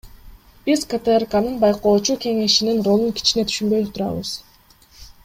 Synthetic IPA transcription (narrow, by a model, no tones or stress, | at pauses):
b̥izkət̪erkanɯnbɑjqo̞ːt͡ʃuke̞ŋe̞ʃininro̞lˠuŋkʲʰi̥t͡ʃine̞t̪ʰy̥ʃynbø̞jt̪ʰuɾɑ̰βɯ̰z